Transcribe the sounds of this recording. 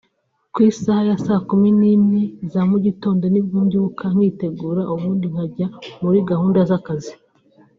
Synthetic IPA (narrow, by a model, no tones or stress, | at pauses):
kwiːsahajasaːkuminimɲezamuɟito̞ːndo̞nibjuːɲɟuukʰaŋ̥hiːte̞ɡuːɾaʔuβuːndiŋ̥haɟamuɾiɡahuːndazakazi